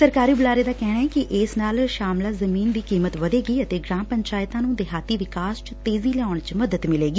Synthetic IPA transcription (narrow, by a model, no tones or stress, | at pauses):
səɾkaːɾiːbʊlaːɾeːd̪aːkɛːɳ̃aːɛːkɪʔɪːsnaːlʃaːmlaːzəmiːnd̪iːkiːmət̪ʋəd̪eːɡiːət̪eːɡɾãːmpəɲt͡ʃaːɪt̪ãːnũːd̪ɪɦaːt̪iːʋɪkaːst͡ʃt̪eːziːlɛaːʊɳ̃t͡ʃməd̪ət̪mɪleːɡiː